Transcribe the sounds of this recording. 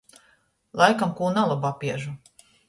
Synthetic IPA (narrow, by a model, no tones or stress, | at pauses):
lˠajkamkuːnalˠubapiɛʒu